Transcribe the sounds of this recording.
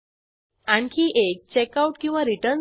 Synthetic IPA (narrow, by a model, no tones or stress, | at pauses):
aɳkʰiːʔek̚t͡ɕekauʈkĩw̃ʋaɾiʈəɾn